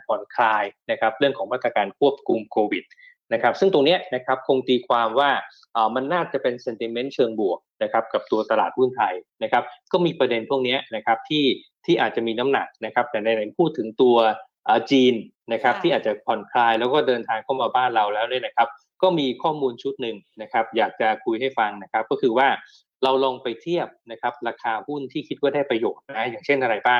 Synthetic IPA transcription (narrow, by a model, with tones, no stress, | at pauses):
pʰɔ˨˩nkʰlaː˧jna˦˥kʰa˦˥p̚ɾɯ˥˩əŋkʰɔː˩˦ŋmaː˥˩t̪ɾa˧kaː˧nkʰu˥˩əp̚kʰu˧mkʰoː˧wi˨˩t̪̚ | na˦˥kʰa˦˥p̚sɯ˥˩ŋt̪o˧ŋni˦˥ɐna˦˥kʰa˦˥p̚kʰo˧ŋt̪iː˧kʰwaː˧mwaː˥˩ | ʔəː˨˩ma˧nːaː˥˩t͡ɕa˨˩pe˧nse˧nt̪i˧me˦˥nt͡ɕʰɤː˧ŋbu˨˩ək̚na˦˥kʰa˦˥p̚ka˨˩p̚t̪u˧ɐt̪a˧la̰ː˨˩t̪̚hu˥˩nt̪ʰa˧jna˦˥kʰa˦˥p̚kɔː˥˩miː˧pɾa˧de˧npʰu˥˩əŋni˦˥ɐna˦˥kʰa˦˥p̚t̪ʰiː˥˩ | t̪ʰiː˥˩ʔaː˨˩t̪̚t͡ɕa˨˩miː˧na˦˥mna̰˨˩k̚na˦˥kʰa˦˥p̚t̪ɛː˨˩na˧jna˨˩˦npʰuː˥˩t̪ʰːɯ˩˦ŋt̪u˧ɐ | ʔːt͡ɕiː˧n | na˦˥kʰa˦˥p̚t̪ʰiː˥ʔaː˨˩t͡ɕa˨˩pʰɔ˨˩˦nkʰlaː˧jlɛː˦˥wkɔː˥˩dɤː˧nt̪ʰaː˧ŋkʰa˥˩wmaː˧baː˥˩nɾa˧wlɛː˦˥wniː˥˩ɐna˦kʰa˦˥p̚ | kɔː˥˩miː˧kʰɔː˥˩muː˧nt͡ɕʰu˦˥t̪̚nɯ˨˩ŋna˦˥kʰa˦˥p̚jaː˨˩k̚t͡ɕa˨˩kʰu˧jɦa˥˩jfa˧nːa˦˥kʰa˦˥p̚kɔː˥˩kʰɯː˧waː˥˩ | ɾa˧wlɔː˧ŋpa˧jt̪ʰi˥˩əp̚na˦˥kʰa˦˥p̚ɾaː˧kʰaː˧hu˥˩nt̪ʰiː˥˩kʰi˦˥t̪̚kɔː˥˩daː˥˩jpɾa˧joː˨˩t̪̚na˦˥jaː˨˩ŋt͡ɕʰe˥˩nʔa˧ɾa˧jbaː˥˩ŋ